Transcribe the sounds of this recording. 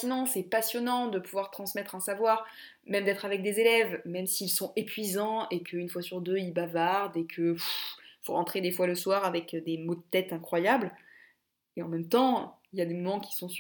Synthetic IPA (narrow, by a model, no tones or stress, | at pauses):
sinɔ̃sɛpasjɔnɑ̃d̪əpuvwaʁt̪χɑ̃smɛt̪χɛ̃savwaːʁ | mɛmd̪ɛt̪χavɛk̚d̪ezelɛvmɛmsiːlsɔ̃epɥizɑ̃ekʰəynfwasyʁd̪øilbavaʁd̪ekʰəfifo̰ʁɑ̃t̪χed̪efwaləswaʁavɛkd̪emod̪ət̪ɛt̪ɛ̃kχwajabl | eɑ̃mɛmt̪ɑ̃iljad̪emɔmɑ̃kʲi̥sɔ̃s